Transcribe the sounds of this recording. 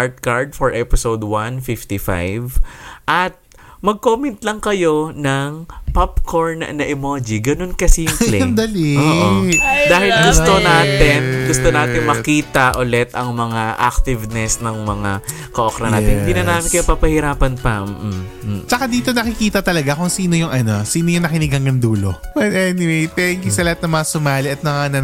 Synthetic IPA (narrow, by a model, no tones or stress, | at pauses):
ʔaɹt̪̚kaɹd̪̚foɹʔɛpɪsowd̪wanfift̪ifa̰jvʔɐt̪̚ | mɐɡ̚koːmɛnt̪lɐŋkɐjo̞nɐŋpapkʰoɹnɐ̰nɐʔɪmoːd͡ʒiɡɐno̞nkɐsijʊŋplɛɐnd̪ɐliood̪aːhɪlɡʊst̪onaːt̪ɪnɡʊst̪onaːt̪ɪŋmɐtkiːt̪ɐʔolɛt̪ʔɐŋmɐŋaʔa̰k̚t̪ɪvnɛsnɐŋmɐŋa | kɐʔokɾɐna̰ːɛ̰hɪd̪inɐnaːmɪnkɐjupɐpɐhɪɾaːpɐnpɐm̩ːʔ̩ | t͡ʃɐkad̪iːt̪o̞nɐkɪkiːt̪ɐt̪ɐlɐɡakʊŋsiːno̞jʊŋʔɐno̞siːnojʊŋnɐkɪnɪɡhɐŋɡɐnd̪uːlo̞̰bɐt̪ʔɛnɪwejt̪ɛŋkjusɐlɐhat̪̚nɐŋmɐŋasʊmaːlɪʔɐt̪̚mɐŋanɐ